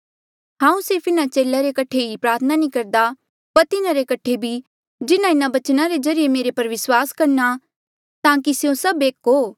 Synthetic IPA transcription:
ɦãːũsɪːpɪnat͡ʃeːlaɾekɐʈʰeɦipɾaːɾt̪ʰənanĩkɐɾd̪a | pɐɾt̪ɪnaɾekɐʈʰebʱi | d͡ʒɪnaɪnabɐt͡ʃnaɾed͡ʒɐɾijemeːɾepɐɾʋɪswaːskɐɾna | t̪ãːkisejõsɐbeːkɦoː

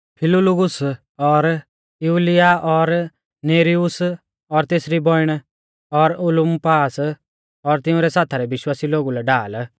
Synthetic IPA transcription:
pʰɪlʊlʊɡʊs | ɔɾ | juːlɪjaɔɾ | neːɾiʊs | ɔɾt̪eːsɾibɔɪɽ̃ | ɔɾʊlʊmpaːs | ɔɾt̪ɪ̃ʊ̃ɾɛsaːt̪ʰaɾɛbɪʃwaːsiloːɡulɛɖaːl

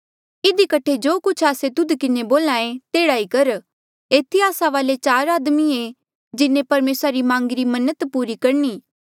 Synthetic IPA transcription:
ɪd̪ikɐʈʰed͡ʒoːkʊt͡ʃʰaːset̪ʊd̪kɪneboːlaːẽt̪eːɽaːikɐɾ | eːt̪ʰːiaːsaʋaːlet͡ʃaːɾaːd̪mie | d͡ʒɪnẽpɐɾmeːsɾaɾimãːŋɡɪɾimɐnət̪puːɾikɐɾniː

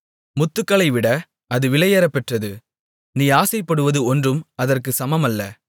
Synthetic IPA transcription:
mʊt̪ːɯkːɐɭɐɪʋɪɽɐ | ɐðɯʋɪlɐjɐɾɐpːɛʈrɐðɯ | niːaːsɐɪpːɐɽɯʋɐðɯɔndrɯmɐðɐrkɯsɐmɐmɐlːɐ

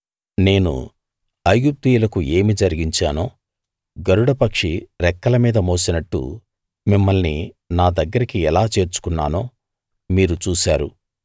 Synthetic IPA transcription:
ne̞ːnṵ | ɐjɡup̚t̪ijulɐkuʔe̞ːmid͡ʒɐɾiɡiɲt͡ʃaːnoː | ɡɐɾuɽɐpɐkʂiɾɛkːɐlɐmiːd̪ɐmoːsinɐʈːṵ | mimːɐlnḭ | naːd̪ɐɡːɐɾikiɛlaːt͡ʃe̞ːɾt͡ʃu̥kunːaːnoː | miːɾut͡ʃuːsaːɾṵ

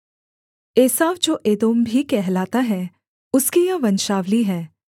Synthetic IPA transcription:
eːsaːʋd͡ʒoːʔeːd̪oːmbʱikɛɦlaːt̪aɦɛ̃ | ʊskijaʋɐnʃaːʋliɦɛ̃ː

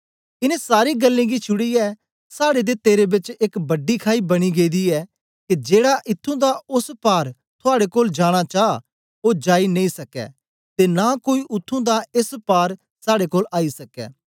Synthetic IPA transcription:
ɪnɛ̃saːɾiɡɐlːẽɡit͡ʃʰʊɽiɛ | saːɽed̪et̪eːɾebɪt͡ʃekbɐɖːikʰaːibɐɽ̃iɡeːd̪iɛː | kid͡ʒeːɽaʔɪt̪ʰːũd̪aʊspaːɾ | t̪ʰʊaːɽekoːld͡ʒaːɽ̃at͡ʃaː | oːd͡ʒaːinɐ̃ĩsɐkɛ̰ | t̪enakoːiʔʊt̪ʰːũd̪aespaːɾ | saːɽekoːlaːisɐkɛ̰ː

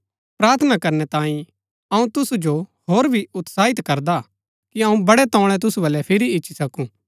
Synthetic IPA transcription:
pɾaːɾt̪ʰənakɐɾnɛt̪ãːĩ | ɐũt̪ʊsud͡ʒoɦoːɾbʱiʊt̪saːɦɪt̪kɐɾd̪a | kiɐũbɐɽɛt̪ɔ̃ːɽ̃ɛt̪̬ʊsubɐlɛpʰɪɾiɪːʃʰisɐkũ

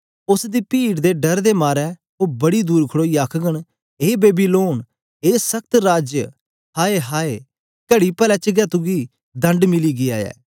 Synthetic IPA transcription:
ʊsd̪iːpiːʈd̪eɖɐɾd̪emaːɾɛ | ɦobɐɽid̪uːɾkʰəɽoːiːaːkʰɡəɽ | ɦeːbeːbiloːn | ɦeːsɐk̚t̪ɾaːd͡ʒjə | haːeɦaːe | kɐɽipɛːlɛːt͡ʃəɡɛːt̪uɡiː | d̪ɐ̃ɳɖmɪliɡia̰ːjɛ̰ː

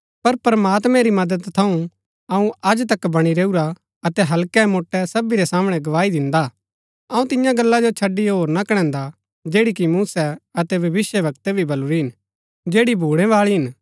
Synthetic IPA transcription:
pɐɾpɾɐmaːt̪mɛ̃ɾimɐd̪əd̪t̪ʰɐ̃ũ | ɐũɐd͡ʒt̪ɐkbɐɽ̃iɾeːuɾa | ɐt̪ɛɦɐlkɛmoːʈːɛsɐbiɾɛsaːmɽ̃ɛɡɐʋaːid̪ɪ̃nd̪a | ɐũt̪ɪjãɡɐlːad͡ʒot͡ʃʰɐɖːiɦoːɾnakɐɽ̃ɛ̃ːnd̪a | d͡ʒeːɽik̬imuːsɛɐt̪ɛbʱɐʋɪsjəʋɐkt̪ɛbʱibɐluɾiɦɪn | d͡ʒeːɽibʱuːɽ̃ɛ̃ʋaːɭiɦɪn

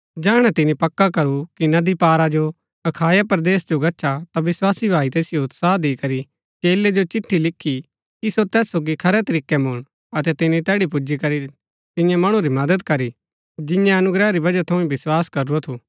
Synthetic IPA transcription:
d͡ʒɛːɽ̃ɛt̪ɪnipɐkːakɐɾukinɐd̪ipaːɾad͡ʒo | ɐkʰaːjapɾd̪eːsd͡ʒoɡɐʃʰat̪aʋɪswaːsibʱaːit̪eːsɪjoʊt̪saːd̪eːkɐɾi | t͡ʃeːled͡ʒot͡ʃɪʈʰːilɪkʰːi | kisot̪ɛːsoːɡikʰɐɾɛt̪ɐɾiːkːɛmʊɽ̃ | ɐt̪ɛt̪ɪnit̪ɛːɽipʊd͡ʒikɐɾi | t̪ɪ̃jãmɐɽ̃ũɾimɐd̪əd̪kɐɾi | d͡ʒɪ̃jãɐnʊɡɾɛɾibɐd͡ʒat̪ʰɐ̃ĩbɪswaːskɐɾuot̪ʰuː

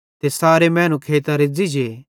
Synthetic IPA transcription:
t̪esaːɾemɛ̃ːnũkʰeːt̪aɾɪd͡zid͡ʒeː

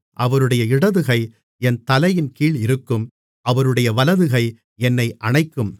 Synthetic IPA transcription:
ʔɐʋɐɾɯɽɐjɐɪɽɐðɯɣɐɪ | ɛnt̪ɐlɐjɪnkiːɭɪɾɯkːɯm | ʔɐʋɐɾɯɽɐjɐʋɐlɐðɯɣɐɪ | ɛnːɐɪʔɐɳɐɪkːɯm

